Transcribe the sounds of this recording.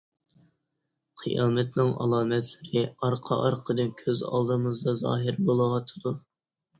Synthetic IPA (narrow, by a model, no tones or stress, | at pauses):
qʰijɑːmɛt̪nɨŋʔɑ̰lˠɑːmɛt̪ʰlɪɾɪɑɾqʰɑ̰ʔɑɾqʰəd̪ɨnkʲʰøzɑ̰lˠd̪ɨmɨzd̪ɑzɑ̰ːɦɪɾbolˠɨwɑt̪ʰɨd̪u